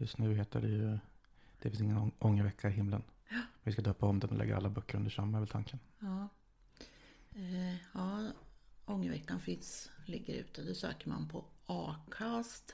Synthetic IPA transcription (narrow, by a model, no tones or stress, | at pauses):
jɵst̪nʉ̟ːɦeːt̪əɖɛjɵ | d̪̥ɛfɪnsɪŋːənʔɔŋːəvɛkʰːaɪɦɪmːlən | mɛvɪskad̪øːpʰːaɔmd̪ɛnɔlɛ̰ɡːa̰a̰lːabœkːəɾɵnd̪əʂamːaɛɾvɛlt̪ʰaŋkən | ɑː | ɑː | ɔŋːəvɛkːanfɪnslɪɡːəɾʉ̟ːt̪əd̪ɔsø̰ːkəɾma̰npʰɔɑːkʰast̪